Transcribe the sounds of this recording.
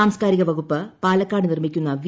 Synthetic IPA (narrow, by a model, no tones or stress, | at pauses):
aːmskaːɾiɣɐʋɐɣupːɨpaːlɐkːaːɽɨnirmikʲːunːɐʋi